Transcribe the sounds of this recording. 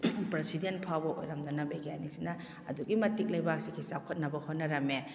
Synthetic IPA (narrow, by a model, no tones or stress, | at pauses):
pɾesidentpʰawbɐʔo̰jɾɐmd̪unɐbeɡanisinɐ | ɐ̰duɡimɐtik̚lɐjbak̚sikʰisakʰɐt̚nɐbɐhot̚nɐɾɐme